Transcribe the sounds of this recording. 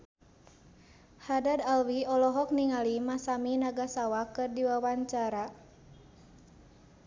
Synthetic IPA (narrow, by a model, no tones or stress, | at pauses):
hadadalwiɔlɔɦɔk̚niŋalimasaminaɡasawakɨrdiwawaɲt͡ʃaɾa